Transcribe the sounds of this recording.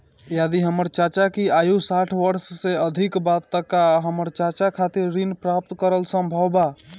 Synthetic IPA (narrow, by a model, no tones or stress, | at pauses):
jad̪iɦəməɾt͡ʃat͡ʃakiajusaʈʰʋəɾsːeəd̪ʱikbat̪ːəkaɦəməɾt͡ʃat͡ʃakʰat̪iɾːinpɾap̚t̪kəɾəlsə̃mbʱəwba